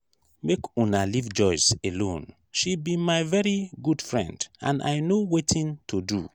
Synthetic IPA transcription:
mekũnalivd͡ʒɔɪselõn | ʃibimaɪvɛɹiɡudfɹɛ̰̃ndã̰na̰ɪnowetʰĩntʰudu

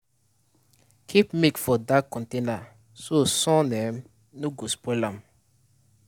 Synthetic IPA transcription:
kʰipmekfɔdakɔ̃ntena | sosɔ̃nɛm | noɡospɔlãm

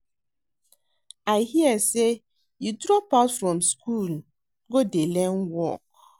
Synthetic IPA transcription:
aɪhiəse | judɹɔpatfɹɔ̃mskul | ɡodelɛnwɔ̰k̚

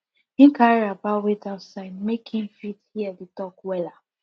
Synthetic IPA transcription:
ĩŋ̩kaɹiabawedaʊsaɪdmekʰĩnfithiɛditɔkwɛla

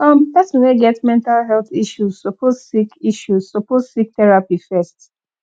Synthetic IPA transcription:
ʌ̃md̪atswɛ̃neɡɛtmɛ̃ntalɦɛlˠθiʃuzsɔpozsikiʃuz̥sɔpozsik̚tɛɹapifɛst

